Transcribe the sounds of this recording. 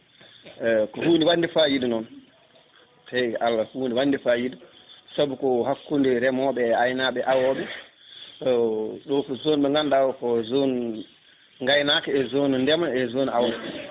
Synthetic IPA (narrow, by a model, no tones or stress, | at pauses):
kɔhuːndiwanːdifajidunɔn | tajʔalːahuːndiwandifajidusabɔkɔhakːundiɾɛmɔɓɛajnaɓɛʔawɔɓɛ | ɗɔkɔzoːnɓɛŋɡandawɔkɔzon | ŋɡajnakɛɛzoːnundɛmaɛzoːnuawɔ